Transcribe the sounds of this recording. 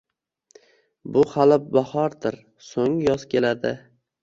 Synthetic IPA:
bʊχalɪp̚bahɒɾd̪ɪɾ | soŋjɒz̥kʲʰe̞lad̪ɪ

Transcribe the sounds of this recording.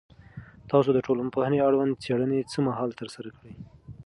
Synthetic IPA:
t̪ɑsod̪əʈolampahneaɽwand̪̚t͡seɽənet͡səmaɦɑlt̪əɾsaɾakəɽəj

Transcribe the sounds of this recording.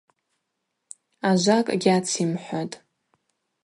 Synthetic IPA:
aʒʷakʼɡʲat͡sʰimħʷatʼ

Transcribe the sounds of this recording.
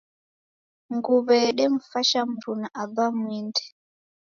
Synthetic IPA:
ŋɡuβɛɗɛm̩faʃam̩ɾunaʔaðamwindɛ̥

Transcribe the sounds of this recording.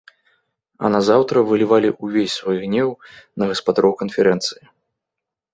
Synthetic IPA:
ɐ̰nazawt̪ɾɐvɨlʲivalʲiʔuvʲesʲsvajiɣnʲɛwnɐɣɐspad̪aɾɔwkɐnfʲɛɾɛnt̪sɨji

